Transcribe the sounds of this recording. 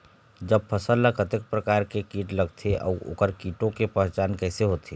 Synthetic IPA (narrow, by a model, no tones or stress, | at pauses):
d͡ʒəb̚pʰəsəlːəkʰət̪ək̚pɾəkaːɾkekiːʈləɡt̪ʰeʔɔ̰ːo̰ːkəɾkiːʈõkepɛ̃ɦt͡ʃaːnkɛːseɦoːt̪eː